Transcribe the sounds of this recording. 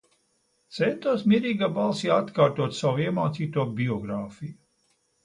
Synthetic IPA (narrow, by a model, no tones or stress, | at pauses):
t̪sɛnt̪uɔsmʲiɾiːɡaːbalˠsiat̪kaːɾt̪uɔt̪sawiɛmaːt̪siːt̪uɔbʲiɔɡɾaːfiju